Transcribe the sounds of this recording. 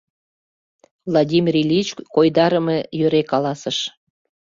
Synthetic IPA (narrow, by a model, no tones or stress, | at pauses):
vlˠodʲimʲirʲilʲit͡ɕkojd̪ɑɾəmejøɾekɑlɑsəʃ